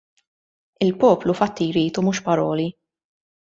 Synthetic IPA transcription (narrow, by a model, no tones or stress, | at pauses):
ɪlpɔːplufɐt̪ːijɾiːt̪umuːʃpɐɾɔːli